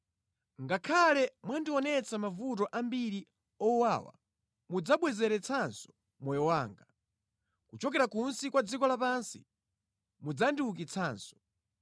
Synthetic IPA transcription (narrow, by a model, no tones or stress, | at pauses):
ŋɡakʰalɛmwandiwɔnɛt͡samavutɔʔambiɾi | ɔwaːwa̰ | mud͡zaɓwɛzɛɾɛt͡sʰansɔ̥ | mɔjɔwaːŋɡa | kut͡ʃɔk̬ɛɾakunsikwad͡zikɔlapansḭ | mud͡zandiuk̬it͡sʰaːnsɔ̥